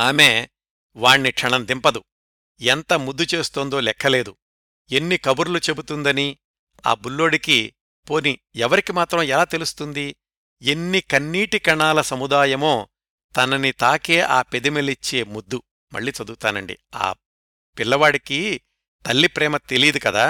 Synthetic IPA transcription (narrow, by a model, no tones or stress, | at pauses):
aːme̞ː | ʋaːɳːikʂɐɳɐmd̪impɐd̪u | ɛnt̪ɐmud̪ːut͡ʃe̞ːst̪oːnd̪o̞ːlɛkʰːɐle̞ːd̪u | e̞nːikɐbuɾulut͡ʃe̞but̪und̪ɐni | a̰ːbulːo̞ːɽiki | poːniɛʋɐɾikimaːt̪ɾɐmɛlaːt̪e̞lust̪und̪i | e̞nːikɐnːiːʈikɐɳaːlɐsɐmud̪aːjɐmoː | t̪ɐnɐnit̪aːke̞ːʔaːpe̞d̪imelit͡ʃːe̞ːmud̪ːu | mʔɐ̰ɭːiːt͡ʃɐd̪ukut̪aːnɐɳɖḭa̰ː | pilːɐʋaːɽiki | t̪ɐlːipɾɛːmɐt̪e̞lid̪ukɐd̪aː